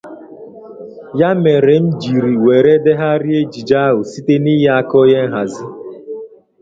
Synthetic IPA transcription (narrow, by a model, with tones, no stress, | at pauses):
ja˦me˨ɾe˨m̩˦d͡ʒi˨ɾi˨we˨ɾe˦de˦ɦa˦ɾɪ˦e˦d͡ʒi˨d͡ʒa˦ɦʊ˨si˦te˦ni˦ɦe˦a˦kɔ˦je˦ŋ̩˦ɦa˨zi˦